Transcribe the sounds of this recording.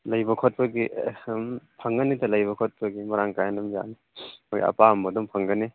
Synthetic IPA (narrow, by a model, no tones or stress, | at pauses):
lɐjbɐkʰɔt̚pɐɡi | pʰɐŋɡɐnitɐlɐjbɐkʰot̚pɐɡimɐɾaŋkajnɐmja̰ni | moj̰ɐ̰pambɐdumpʰɐŋɡɐni